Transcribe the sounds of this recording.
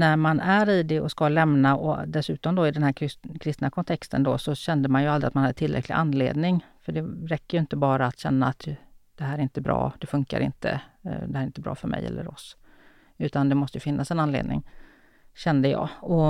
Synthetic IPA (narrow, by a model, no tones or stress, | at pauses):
næɾmanæɾɪd̪ɛɔskalɛmnaʔɔd̪ɛsʉ̟ːt̪ɔmd̪ɔɪd̪ɛnhæːkʰɾɪst̪nakʰɔnt̪ʰɛkst̪ənd̪ɔsɔɕɛnd̪əmanjɵald̪ɾɪat̪manhad̪ːət̪ʰɪlɾɛ̰kʰlɪ̰ʔanːlḛːd̪nɪŋfœɖɛɾɛkːəjɵɪnt̪əbɑːɾaːt̪ɕɛnːaːt̪d̪̥ɛɦæːɾɪnt̪əbɾɑ̰ːd̪ɛfɵŋka̰ɾɪ̰nt̪ʰə̰d̪ɛhæɾɪnt̪əbɾɑ̰ːfœɾmɛ̰jɛ̰lːə̰ɾɔs | ʉ̟ːt̪and̪ɛmɔst̪əjəfɪnːasɛnanlḛːd̪nɪ̰ŋ | ɕɛnd̪əjɑ̰ːɔ